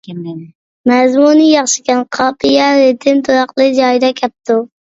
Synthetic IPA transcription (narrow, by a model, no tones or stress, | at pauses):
mæzmunijɑχʃɪ̥kʲɛnqʰɑːpʰijɛɾet̪ʰɪnt̪ʰoɾɑqlˠɨd͡ʒɑjd̪ɑkʲʰɛp̚t̪ʰu